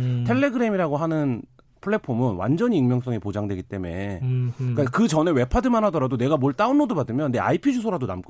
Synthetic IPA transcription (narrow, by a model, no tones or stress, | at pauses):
tʰe̞ɭːe̞ɡɯɾe̞miɾaɡoɦanɯn | pʰɯɭːe̞pʰomɯnwa̰nd͡ʑʌɲiɯŋmjʌŋs͈ʌŋipod͡ʑaŋdwe̞ɡit͈e̞me̞̰ | k͈akɯt͡ɕʌne̞we̞pʰadɯmanɦadʌɾadone̞ɡamoɭt͈aunːodobadɯmjʌnːe̞a̰ipʰid͡ʑus̬ʰoɾadona̰mk͈